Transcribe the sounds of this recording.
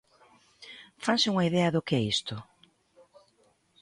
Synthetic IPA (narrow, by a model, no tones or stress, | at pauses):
fansɪuŋɐiðɛɐðʊkɪɛist̪ʊ